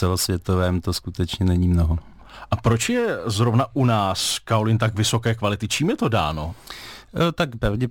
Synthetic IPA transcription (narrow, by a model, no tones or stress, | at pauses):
ɛlosvjɛt̪ovɛːmt̪oskut̪ɛt͡ʃɲɛnɛɲiːmnoɦo | ʔapɾo̞t͡ʃjɛzɾo̞vnaʔunaːskaolɪnt̪̬akvɪso̞kɛːkvalɪt̪ɪt͡ʃiːmjɛt̪o̞da̰ːno̞ | t̪akpɾavɟɛ